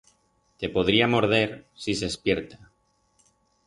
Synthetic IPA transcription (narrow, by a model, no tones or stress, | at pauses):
t̪epoð̞ɾiamo̞ɾðe̞ɾsisespjeɾt̪ḁ